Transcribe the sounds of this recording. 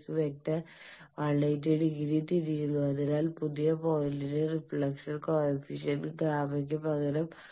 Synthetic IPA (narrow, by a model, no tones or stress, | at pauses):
sɨʋek̚t̪ːɐ | ʋɐɭːɐjt̪ːiɽiɣiɾit̪ːiɾikːunːuɐðinaːlpuðijɐpo̞jliɾerifɭɐksɐlkoːlɐfiɕɐlɡɾaːmɐk̬ʲːɨpɐɣɐɾɐm